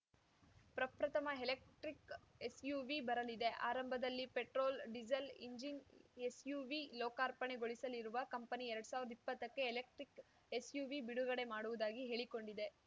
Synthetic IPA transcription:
pɾɐpɾɐt̪ʰɐmɐelek̚ʈɾikesjuːʋibɐɾɐlid̪e̞ʔa̰ːɾɐmbʱɐd̪ɐlːipeʈɾoːlɖid͡ʒɐlḭɲd͡ʒinesjuːʋiloːkaːɾpɐɳe̞ɡoɭisɐliɾuʋɐkɐmpɐniɛɾɐɽusaːʋiɾɐd̪ipːɐt̪ːɐkːe̞ːlek̚ʈɾik | esjuːʋibiɽuɣɐɽe̞maːɽuʋud̪aːɡiɦe̞ːɭiko̞ɳɖid̪e̞

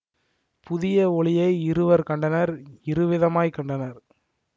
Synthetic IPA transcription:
pʊðɪjɐɔɭɪjɐɪɪɾɯʋɐɾkɐɳɖɐnɐɾɪɾɯʋɪðɐmaːjkɐɳɖɐnɐɾ

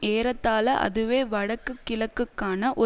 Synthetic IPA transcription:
eːɾɐt̪ːaːlɐʔɐ̰ðɯʋeːʋɐɽɐkːɯkːɪlɐkːɯkːaːnɐʔɔ

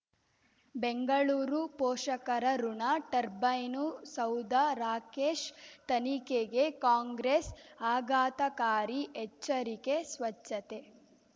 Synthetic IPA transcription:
beŋɡɐɭuːɾupɔːʃɐkɐɾɐɾuɳɐʈɐɾbɐjnusɐwd̪aɾaːkeːʃt̪ɐnikeɡekaːŋɡɾesaːɡaːt̪ɐkaːɾiʔɛt͡ʃːɐɾikesʋɐt͡ʃːɐt̪e

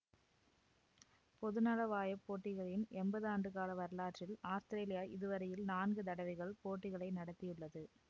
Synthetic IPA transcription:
pɔðɯnalɐʋaːjɐpːoːʈːɪɣɐɭɪnɛmbɐðaːɳɖɯkaːlɐʋɐɾɯlaːʈrɪlaːst̪ɪɾeːlɪjaːʔɪðɯʋɐɾɐjɪlnaːnɡɯt̪ɐɽɐʋɪɣɐɭpoːʈːɪɣɐɭɐɪnɐɽɐt̪ːɪjɯɭːɐðɯ

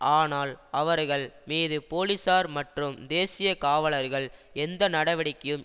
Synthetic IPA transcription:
ʔaːnaːlʔɐʋɐɾɣɐɭmiːðɯpoːlɪsaːɾmɐʈrɯmd̪eːsɪjɐkaːʋɐɭɐɾɣɐɭɛnd̪ɐnɐɽɐʋɐɽɪkːɐjɯm

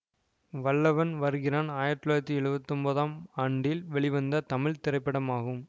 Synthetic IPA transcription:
ʋɐɭːɐʋɐnʋɐɾɯɣɪɾaːnaːjɐɾʈːɯɭaːɾɐt̪ːiɛɻɯbɐt̪ːɯmbɐðaːmaːɳɖɪlʋɛɭɪʋɐnd̪ɐt̪ɐmɪɭt̪ɪɾɐɪpːɐɽɐmaːɣɯm

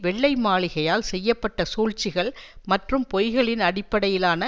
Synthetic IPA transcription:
ʋɛɭːɐɪmaːɭɪɣɐjaːlsɛjːɐpːɐʈːɐsuːɻt͡ʃɪɣɐɭmɐʈrɯmpɔjɣɐɭɪnɐɽɪpːɐɽɐjɪlaːnɐ

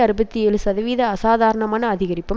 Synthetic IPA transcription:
ɐɾɯbɐt̪ːieːlɯsɐðɐʋiːðɐːsaːðaːɾɐɳɐmaːnɐːðɪɣɐɾɪpːɯm

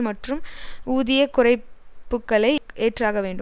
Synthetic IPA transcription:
mɐʈrɯmuːðɪjɐkʊrɐɪpːɯkːɐɭɐɪʔeːʈraːɣɐʋeːɳɖɯ

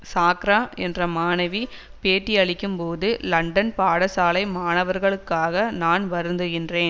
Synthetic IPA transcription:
saːkɾaːɛndrɐmaːnɐʋi | peːʈːiɐɭɪkːɯmpoːðɯlɐɳɖɐnpaːɽɐsaːlɐɪmaːnɐʋɐɾɣɐɭɯkːaːɣɐnaːnʋɐɾɯnd̪ɯɣɪndreːn

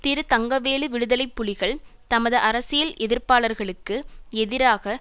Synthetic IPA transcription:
t̪ɪɾɯt̪ɐŋɡɐʋeːlɯʋɪɽɯðɐlɐɪpːʊɭɪɣɐɭt̪ɐmɐðɯʔɐɾɐsɪjɐlʔɛðɪɾpaːɭɐɾɣɐɭɯkːɯɛðɪɾaːɣɐ

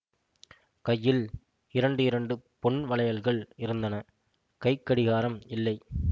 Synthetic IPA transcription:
kɐjːɪl | ɪɾɐɳɖɯɪɾɐɳɖɯpɔɳʋɐɭɐjɐlɣɐɭɪɾɯnd̪ɐnɐ | kɐɪkːɐɽɪɣaːɾɐmɪlːɐɪ

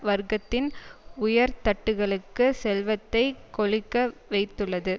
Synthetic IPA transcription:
ʋɐɾɡɐt̪ːɪnʊjɐɾt̪ɐʈːɯɣɐɭɯkːɯsɛlʋɐt̪ːɐɪkɔɭɪkːɐʋɐɪt̪ːɯɭːɐðɯ

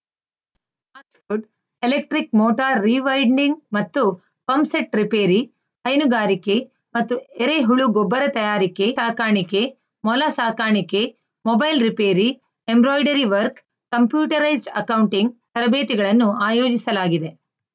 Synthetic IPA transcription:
ɐsfuɖ | elek̚ʈɾikmoːʈaːɾːiʋɐjɳɖiŋɡmɐt̪ːu | pɐmseʈɾipeːɾi | hɐjnuɡaːɾike | mɐt̪ːueɾeɦuɭuɡɔbːɐɾɐt̪ɐjaːɾikeaːkaːɳike | mɔlɐsaːkaːɳike | mɔbɐjlɾipeːɾi | embɾoːjɖɐɾiʋɐɾkː | ɐmpjuːʈɐɾɐjzɖɐ̰kɐwɳʈiŋɡt̪ɐɾɐbeːt̪iɡɐɭɐnːuaːjoːd͡ʒisɐlaːɡid̪e

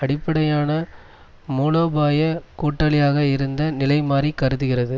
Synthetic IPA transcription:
ɐɽɪpːɐɽɐjaːnɐ | muːloːbaːjɐkuːʈːɐlɪjaːɣɐɪɾɯnd̪ɐnɪlɐɪmaːɾikɐɾɯðɯɣɪrɐðɯ

